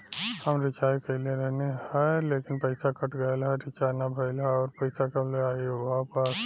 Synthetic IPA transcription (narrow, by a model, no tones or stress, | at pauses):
həmɾɪt͡ʃaːikɐɪleɾɛɦnehɛleːkɪnpɐɪsakɐʈɡɐjalɦɛɾɪt͡ʃaːnabʱɐɪlaɔːɾpɐɪsakamleaːiʋapas